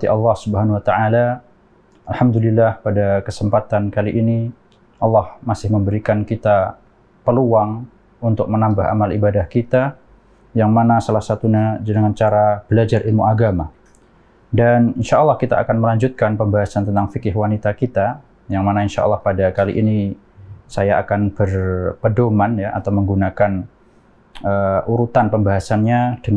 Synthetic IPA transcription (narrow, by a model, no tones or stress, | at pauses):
t̪iʔɑlːɑhsubɦanwat̪aʔala | alhamd̪ulilːahpadakəsəmpat̪ankaliʔini | ʔɑlːɑhmasɪhməmbəɾikankit̪a | pəluaŋ | unt̪ʊk̚mənambaɦa̰malibadahkit̪a | jaŋmanasalahsat̪uɲad͡ʒanaŋant͡ʃaɾab̥əlad͡ʒarʔilmuaɡama | daninʃaʔːlːɑhkit̪a̰a̰kanməlaɲd͡ʒut̪̚kanpəmbaɦasant̪ənt̪aŋfikɪɦwanit̪akit̪a | jaŋmanainʃa̰ʔa̰lːɑhpadakalḭʔini | sajaʔakanb̥ərpədomanjaʔa̰t̪awməŋɡunakan | əʔuɾut̪anpəmbaɦasanɲad̥ə